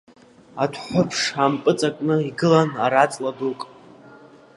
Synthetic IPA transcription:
atʰħʷʊpʰʂampʼɨt͡sʼakʼnɨiɡɨlanaɾat͡sʼladukʼ

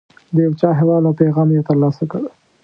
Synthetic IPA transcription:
d̪əjawt͡ʃɑɦawɑd̪awpeɣɑmjet̪əɾlɑsakəɽ

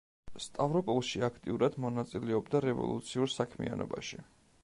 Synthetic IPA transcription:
st̪ʼavɾɔpʼɔlˠʃiakʰt̪ʼiuɾad̪mɔnat̪sʼilɛɔbd̪aɾɛvɔ̰lˠṵt̪sʰiuɾsakʰmḭa̰nɔ̰baʃi

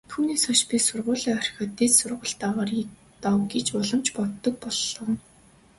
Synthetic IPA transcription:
t̪ʰuːniːsɔʃpʲisʊrʁʊːɮɔːœrʲxʲɔːt̪ːeːt͡ssʊrʁə̆ɬt̪aːʁaːrjik̚ | t̪awɡet͡ɕpɔɮɞ̆mt͡ɕpɔt̪ːɞ̆k̚pɔɮɞ̆n

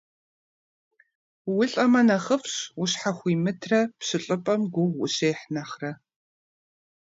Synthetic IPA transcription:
wʊɬʼɐmɐnɐχəfɕʊɕħaχʷiːmɨtʰrɐpɕɨɬʼɨpʼɐmɡʷʊʁʷwʊɕeːħnɐχrɐ

